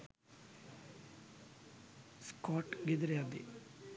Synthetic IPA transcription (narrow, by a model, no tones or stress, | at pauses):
skɔʈɡid̪ɾjad̪ḭ